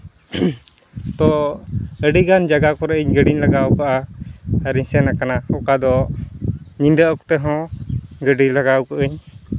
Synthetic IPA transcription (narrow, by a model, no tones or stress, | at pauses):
t̪ɔ | əɖiɡand͡ʒaɡakɔɾɛʔiɲɡəɖiɲlaɡawkaʔa | ɾĩɲsɛnakanaɔkad̪ɔ | ɲinɖəʔkɔ̥t̪ɛɦɔ̃ɡəɖilaɡawkaʔəɲ